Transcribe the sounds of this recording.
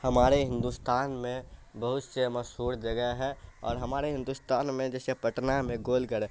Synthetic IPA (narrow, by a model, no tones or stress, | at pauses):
həmaːɾeɦɪ̃nd̪ust̪aːnmẽbəɦʊt̪seməʃɦuːɾd͡ʒəɡɛɦɦɛɔ̰ːɾɦəmaːɾeɦɪ̃nd̪ust̪aːnmẽd͡ʒɛːsepəʈnamẽɡoːlɡəɾe